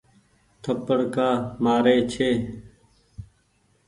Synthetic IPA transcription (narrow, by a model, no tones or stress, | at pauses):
t̪ʰəpəɽkaːmaːɾeːt͡ʃʰeː